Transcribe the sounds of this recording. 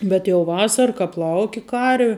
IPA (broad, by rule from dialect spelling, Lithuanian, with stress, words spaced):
bʲɛt jɛʊ ˈʋɑːsɐrɐ ˈkɐp ˈlˠɐʊkʲɪ ˈkɐrʲʋʲɪ